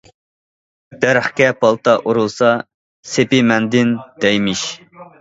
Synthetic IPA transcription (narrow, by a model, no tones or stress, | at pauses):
d̪̥æɾχkʲɛpʰɑlˠt̪ɑʔuɾulˠsɑ | sepɪmɛnd̪ɪnd̪̥ɛjmiʃ